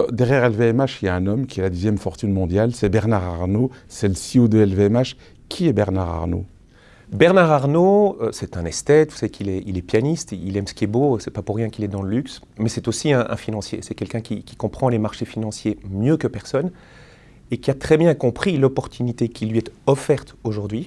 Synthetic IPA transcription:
d̪ɛʁjɛʁɛlveɛmaʃiljaɛ̃nɔmkʲiɛlad̪əzjɛmfɔʁt̪ynmɔ̃d̪jalsɛbɛʁnaʁaʁnosɛləsiod̪øɛlveɛmaʃ | kʲʰiɛbɛʁnaʁa̰ʁno̰ | bɛʁnaʁaʁnoøsɛt̪ɛ̃nɛst̪ɛt̪vusavekilɛilɛpjanist̪ilɛmsə̥kʲiɛbosɛpapuʁːjɛ̃kilɛd̪ɑ̃ləlyks | mɛsɛt̪osiɛ̃ʔɛ̰̃finɑ̃sjḛsɛkʲɛlkʲɛ̃kʲikʲi̥kɔ̃pχɑ̃lemaʁʃefinɑ̃sjemjøkəpɛʁsɔn | ekʲiat̪χɛbjɛ̃kɔ̃pχilɔpɔʁt̪ʰynit̪ekʲʰilɥiɛt̪ɔfɛʁt̪oʒuʁd̪ɥi

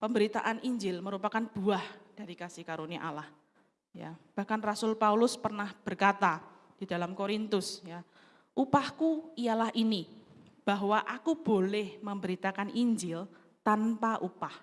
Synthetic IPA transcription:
pəmbəɾit̪a̰ʔanʔiɲd͡ʒɪlməɾupakanb̥uahd̥aɾikasikaɾuniaʔalah | ja̰b̥ahkanrasʊlpaulʊspərnahb̥ərkat̪a | d̥ida̤lamkoɾint̪ʊsja | ʔupahkuijalahʔini | b̥aɦwaʔakub̥olɛhməmbəɾit̪akanʔiɲd͡ʒɪl | t̪anpaʔupah

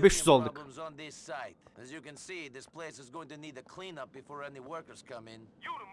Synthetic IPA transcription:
bɪʃsɔlˠd̪ə̃mzn̩ðɪsaɪtɨzjɨkɨ̃nsiðɪspʰl̥eɪsɨzɡoʊɪ̃ŋtɨniɾɨkʰl̥ĩnʌp̚b̥ɨfɔɹɛniwɜ˞kə˞z̥kʰʌ̃mɪ̃n

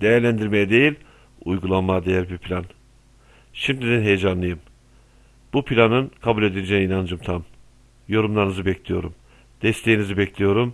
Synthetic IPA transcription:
d̪̥e̞jæɾlʲænd̪iɾmejɛd̪e̞jilʲ | ujɡulˠanmad̪e̞jæɾbiɾpʰlʲan | ʃimd̪ʲid̪ænɦe̞jed͡ʒanlˠɯjɯm | b̥upʰilʲanɯnkʰabulʲe̞d̪ild͡ʒeninand͡ʒɯmt̪ʰam | jo̞ɾumlˠaɾnɯzɯbɛclʲijo̞ɾum | d̪̥ɛst̪ʰe̞jinizibɛcʰlʲijo̞ɾum

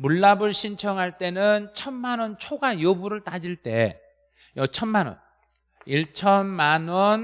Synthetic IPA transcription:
muɭːabɯɭɕʰint͡ɕʰʌŋɦaɭt͈e̞nɯnt͡ɕʰʌnmanwʌnt͡ɕʰoɡajobuɾɯɭt͈ad͡ʑiɭt͈e̞ | jʌt͡ɕʰʌnmanwʌ̰n | iɭt͡ɕʰʌnmanwʌn

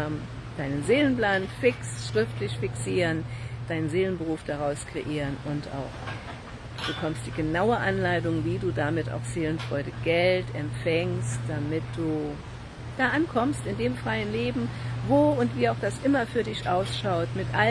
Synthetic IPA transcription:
d̥aɪnənzeːlənpl̥aːnfɪksʃʁ̥ɪftlɪçfɪksiːʁənd̥aɪnənzeːlənbəʁuːfd̥aʁaʊskʁ̥eʔiːʁənʊnta̰ʊx | b̥əkʰɔmstd̥iːɡənaʊəʔanlaɪtʊŋviːduːdamɪta̰ʊxz̥eːlənfʁ̥ɔʏdəɡ̥ɛltɛmfɛŋstd̥amɪt̚d̥uː | d̥aːʔankʰɔmstɪndeːmfʁ̥aɪənleːbm̩voːʊntv̥iːaʊxd̥asʔɪmɐfyːɐdɪçʔaʊsʃaʊtmɪtʔa

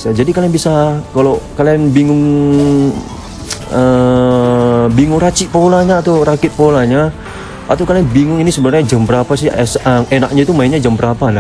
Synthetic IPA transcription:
sad͡ʒadikalianbisakalawkalianbiŋʊŋ | ə | biŋʊŋɾat͡ʃiʔpolaɲaːt̪awɾakɪt̪̚polaɲa | at̪awkalianbiŋʊŋinisəbənərɲad͡ʒəmpəɾapas̬ɪsəʔenak̚ɲait̪umaiɲad͡ʒampəɾapana

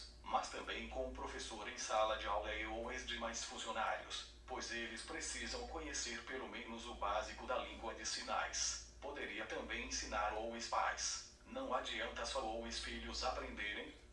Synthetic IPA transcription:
mɐst̪ɐ̃mbẽj̃kõmʊpɾofesoɾẽj̃salɐd͡ʒɪawlɐowezd͡ʒɪmajsfũzionaɾjʊs | pojzelɪspɾesizɐ̃w̃kõɲeseɾpelomẽnʊzʊbazikʊd̪ɐlĩɡwɐd͡ʒɪsina̰js | pod̪eɾiɐt̪ɐ̃mbẽj̃ẽsĩnaɾowespa̰js | nɐ̃w̃ad͡ʒiɐ̃nt̪ɐsɔowɪ̃sfiʎʊzapɾẽnd̪eɾẽj̃

